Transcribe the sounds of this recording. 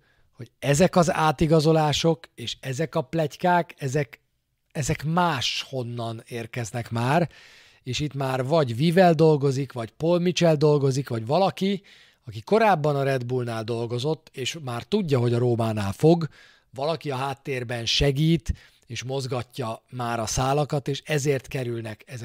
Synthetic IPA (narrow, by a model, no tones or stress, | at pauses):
ho̞ɟɛzɛkɒza̰ːt̪iɡɒzo̞laːʃo̞keːʃɛzɛkɒplɛckaːkɛzɛk | ɛzɛkmaːʃho̞nːɒneːrkɛznɛkmaːr | eːʃit̪maːrvɒɟviːvɛld̪o̞lɡo̞zikʋɒcpo̞lmit͡ʃɛld̪o̞lɡo̞zikʋɒɟʋɒlɒki | ɒkiko̞ɾaːbːɒnɒɾɛd̪bulnaːld̪o̞lɡo̞zo̞t̪ːeːʃmaːrt̪uɟːɒɦo̞ɟɒɾoːmaːnaːlfo̞ɡ | vɒlɒkiɒɦaːt̪ːeːrbɛnʃɛɡiːt̪ | eːʃmo̞zɡɒcːɒmaːɾɒsaːlɒkɒt̪eːʃɛzeːrt̪kɛɾylnɛkɛz